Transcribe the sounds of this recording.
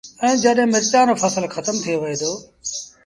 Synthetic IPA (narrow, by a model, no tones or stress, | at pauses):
ɛ̃ːd͡ʒəɗɦɪ̃mɪɾt̪aːnofʰəsəlxət̪əmt̪ʰijoʋɪeːd̪oː